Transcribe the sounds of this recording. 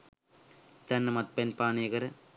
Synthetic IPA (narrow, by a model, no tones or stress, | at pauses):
t̪ɐnːɐmɐt̪̚penpaːneɣɐɾ